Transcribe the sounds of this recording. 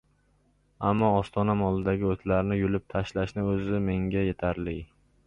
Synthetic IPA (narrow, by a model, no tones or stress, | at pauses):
amːɒːst̪ʰɒnamɒlˠɪd̪aɡʲɪot̪ʰlaɾnɪjʊlɪp̚t̪ʰaʃlaʃnɪɵzɪme̞ŋɡʲaje̞t̪ʰaɾlɪ